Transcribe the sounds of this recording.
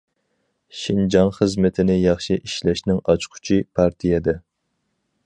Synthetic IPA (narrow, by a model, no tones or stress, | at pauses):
ʃind͡ʒɑŋχəzmɪt̪ʰɪnɪjɑχʃiʔiʃlɛʃnɪŋɑt͡ʃqʰʊ̥t͡ʃʰipʰɑɾt̪ʰijɛd̪ɛ